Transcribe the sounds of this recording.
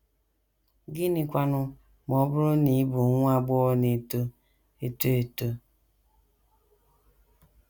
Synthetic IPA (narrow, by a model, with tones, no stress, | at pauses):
ɡɪ˦nɪ˨kʷa˨nʊ˦ | mɔ˨˦bʊ˦ɾʊ˦ni˨˦bu˨˦ŋʷ˦a˨ɡ͡bɔ˦ne˨to˦ | e˨to˦e˨to˦